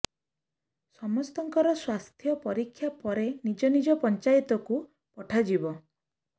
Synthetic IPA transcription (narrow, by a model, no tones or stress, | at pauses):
sɔmɔst̪ɔŋkɔɾɔswast̪ʰjɔpɔɾikʰːjapɔɾenid͡ʒɔnid͡ʒɔpɔnt͡ʃajt̪ɔku | pɔʈʰad͡ʒibɔ